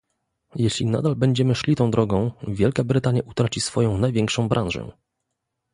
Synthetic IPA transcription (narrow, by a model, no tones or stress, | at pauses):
jɛɕlʲina̰d̪albɛɲd͡ʑɛmɘʂlʲit̪ɔ̃w̃d̪ɾɔɡɔ̃w̃vʲjɛlkabɾɘt̪aɲjaʔut̪ɾat͡ɕisfɔjɔ̃w̃najvʲjɛŋkʂɔ̃w̃bɾʔãnʐɛ̰